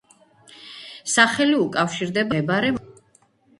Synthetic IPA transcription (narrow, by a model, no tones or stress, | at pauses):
saχɛliukʼafʃiɾd̪ɛbabaɾɛm